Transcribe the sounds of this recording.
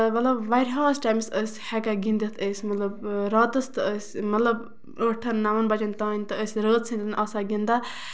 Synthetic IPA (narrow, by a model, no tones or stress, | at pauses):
mɐt̪lɐbʋaɾʲɦaːsʈaːjmsəsʲhɛkaɡĩnd̪it̪ʰəːsʲmɐt̪lɐbɾat̪əst̪ɨəsʲmɐt̪lɐb | əːʈʰɐnːaʋɐnbɐt͡ʃʲɐnʲt̪ãːnʲt̪ɨəsʲɾəːt̪sʰint̪nʔɐsaɡind̪a